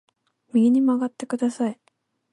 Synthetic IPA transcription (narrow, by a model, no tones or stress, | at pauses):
mʲiɡʲiɲ̟imaɡat̪ːe̞kɯ̟d̪asai